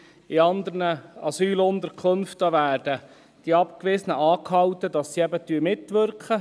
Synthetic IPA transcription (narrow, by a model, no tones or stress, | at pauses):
ɪɑnd̪əɾnəɑsyːlʊnd̪əɾkʰχɵnftəʋæːɾd̥ə | d̥iɑpkʋɪsənəʔɑːkhɑwt̪ədɑsːiɛbət̪yəmɪtʋʏɾkχə